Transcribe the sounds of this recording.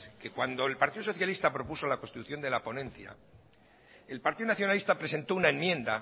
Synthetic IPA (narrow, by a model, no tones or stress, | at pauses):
ske̞kwand̪o̞elpaɾt̪iðosoθjalist̪apɾo̞puso̞lako̞nst̪it̪uθjo̞nd̪e̞lapo̞nẽ̞nθja̰ | e̞lpaɾt̪iðonaθjo̞nalist̪apɾe̞se̞nt̪o̞unaemjẽ̞nd̪a